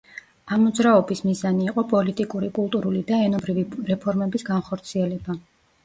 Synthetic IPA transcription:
amːɔd̪zɾaɔbismizaniːqʼɔpʼɔlit̪ʼikʼuɾikʼulˠt̪ʼuɾulid̪aɛnɔbɾiviɾɛpʰɔɾmɛbisɡanχɔɾt̪sʰiɛlɛba

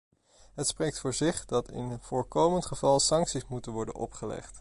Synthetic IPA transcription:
ɦətsprejktfʊːɹzɪχdɑtɪ̰nv̥ʊːɹkowməntχəv̥ɑlˠsɑŋksismutənʋɔɹdə̰nɔ̰pχəlɛ̰χt

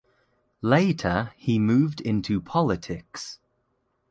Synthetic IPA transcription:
leɪtʰəimʉːvdɪ̃ntʰupʰɒlɪtʰɪks

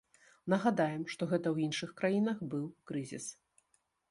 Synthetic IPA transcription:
nɐɣad̪ajɛmʂt̪ɔɣɛt̪ɐwjinʂɨxkɾajinɐxbɨwkɾɨzʲḭs

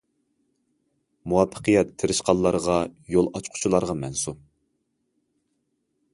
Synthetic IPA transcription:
muwɑpʰːə̥qʰəjɛt̪t̪ʰɪɾɪʃqɑlˠːɑɾʁɑjolˠɑt͡ʃqʰʊ̥t͡ʃʰulˠɑɾʁɑmɛnsup̚

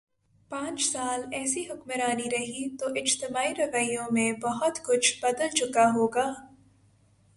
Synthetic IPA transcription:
pãːt͡ʃsaːlɛːsiɦʊkməɾaːniɾɐɦit̪oʔɪd͡ʒt̪ɪmaːiɾɐʋəijõmẽbɐɦʊt̪kʊt͡ʃʰbɐd̪əlt͡ʃʊkaɦoːɡaː

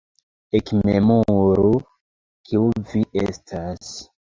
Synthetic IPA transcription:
ekmemuɾu | kʰiuviʔestʰas

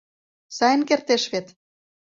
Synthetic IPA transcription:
sɑjə̆nkert̪eʃβet̪

